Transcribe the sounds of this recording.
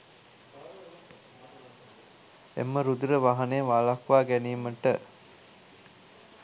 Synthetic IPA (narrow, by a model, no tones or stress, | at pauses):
ḛmːəɾud̪uɾəʋaɦɐneʋaːlakʋaːɡæniːməʈə